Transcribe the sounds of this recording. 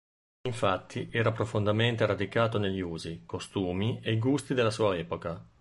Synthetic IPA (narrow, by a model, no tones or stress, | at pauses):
iɱfat̪ʰːiʔɛːɾapɾofond̪ament̪eɾad̪ikaːt̪oneʎːiuːzikost̪uːmiejɡust̪id̪elːasuːaɛːpoka